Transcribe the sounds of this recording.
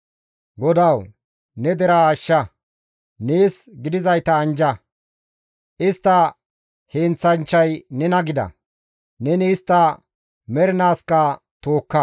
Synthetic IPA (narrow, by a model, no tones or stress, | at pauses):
ɡɔd̪ɐw | nɛd̪ɛɾɐaːʃːɐ | neːsɡɪd̪ɪzɐjt̪ɐːnd͡ʒɐ | ʔɪst̪ːɐ | heːnt͡sːɐnt͡ʃːɐjnɛnɐɡɪd̪ɐ̰ | nɛniːst̪ːɐ | mɛɾɪnaːskɐ | t̪oːkːɐ